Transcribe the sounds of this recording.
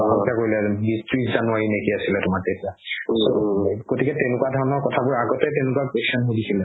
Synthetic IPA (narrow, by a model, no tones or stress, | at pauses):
itakoɹilɛbistɹitzanʊwaɹinekiasilɛtʊmatetiasoɡotikɛtɛnʊkwadʱɔɹɔnɔɹkɔtʰabʊɹaɡɔtɛtɛnʊkwakeksɔnɦojdisʰilɛ